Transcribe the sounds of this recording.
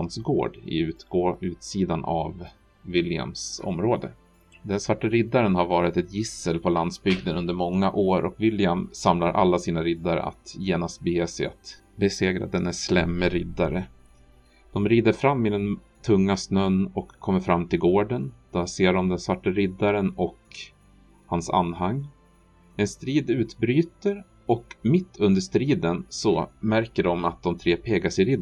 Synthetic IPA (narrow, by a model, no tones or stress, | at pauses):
nsɡo̰ːɖɪ̰ʉʉ̟ːt̪siːd̪ana̰vː | ɪlɪa̰msɔ̰mɾoːd̪ə̰ | d̪ɛnsvaʈːaɾɪd̪ːaɾənhaɾvɑːɾɪt̪ɛt̪jɪsəlpʰɔland̪sbʏɡd̪ənɵnd̪əɾmɔŋːaʔoːɾʔɔkvɪljamsamlaɾʔa̰lːasiːnaɾɪd̪ːaɾ̰a̰t̪jeːnast̪̚beːsɛja̰t̪ | bɛseːɡɾa̰d̪ɛnæslɛmːəɾɪd̪aɾə | d̪̥ɔmɾiːd̪əɾfɾamːɪd̪ɛn | t̪ʰɵŋːasnœnːɔkʰːɔmːəɾfɾamːt̪ʰɪlɡoːɖənd̪̥aseːɖɔmd̪ɛnsvaʈːaɾɪd̪ːaɾənɔk | hansa̰nːɦaŋː | ɛnst̪ɾiːd̪ʉ̟ːt̪bɾyːt̪əɾ | ɔkmɪt̪ʰːɵnd̪əʂt̪ɾiːd̪ənsɔmæɾkəɖɔmat̪̚d̪ɔmt̪ʰɾeːpʰeːɡaʂɪɾɪd̪